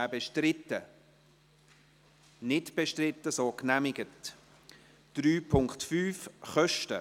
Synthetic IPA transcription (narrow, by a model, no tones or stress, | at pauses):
bɛʃtrɪtːə | nɪtb̥ɛʃtrɪtːəsoːknæmɪɡət | d̥ɾyːpʰʊŋktfyːfχœʃtə̰